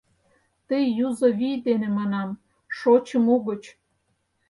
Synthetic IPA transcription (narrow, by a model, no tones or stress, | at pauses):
t̪ijjuzoβijd̪enemɑnɑm | ʃot͡ɕəmuɣət͡ɕ